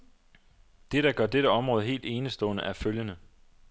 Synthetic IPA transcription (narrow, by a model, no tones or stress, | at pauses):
d̥e̝ɾ̥ɑ̈ɡ̥ɶɐ̰d̥eɾəɒ̽mʁɔ̽ːð̞ˠɦe̝̰ːld̥e̝ːnəsd̥ɔ̰̽ːnəʔæɐføljənə